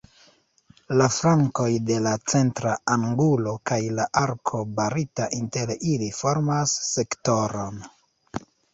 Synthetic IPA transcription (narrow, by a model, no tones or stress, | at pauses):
laflaŋko̞jde̞lat͡se̞ntɾaaŋɡulo̞kajlaʔaɾkʰo̞baɾitaʔinte̞ɾilifo̞ɾmasːe̞kto̞ɾo̞n